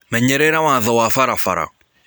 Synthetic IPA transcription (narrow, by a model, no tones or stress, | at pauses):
mɛɲɛɾɛɾawaðɔwafaɾafa̰ɾa̰